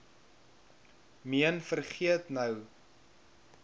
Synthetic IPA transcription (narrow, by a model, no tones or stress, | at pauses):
miənfərχiətnəw